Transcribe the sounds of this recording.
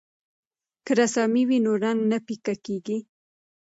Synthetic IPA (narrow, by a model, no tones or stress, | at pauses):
kəɾasɑmiwinoɾaŋɡnapikakeɡi